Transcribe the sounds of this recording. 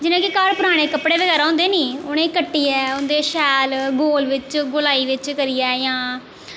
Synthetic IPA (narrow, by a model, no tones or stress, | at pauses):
d͡ʒɪnãːkɪkaɾpʊɾaːɽ̃eːkəpɽeːʋəɡɛːɾaːõːnd̪eːniːʊnẽːkəʈːiːɛːʊnd̪eːʃɛːlɡoːlʋɪt͡ʃɡʊlaːiːʋɪt͡ʃkəɾiːɛːjãː